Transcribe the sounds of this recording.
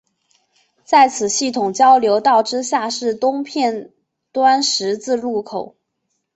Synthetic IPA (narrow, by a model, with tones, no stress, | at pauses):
t͡sa˥˩ɪt͡sʰɹ̩˨˩ɕi˥˩t̪ʰʊ˨˩ŋt͡ɕjɑ˥ʊljo˧˥ʊt̪ɑ˥˩ʊʈ͡ʂɻ̩˥ɕja˥˧ʂɻ̩˥˩t̪ʊ˥ŋpʰjɛ˥˩n | t̪wa˥nʂɻ̩˧˥t͡sɹ̩˥˧lu˥˩kʰo˨˩˦ʊ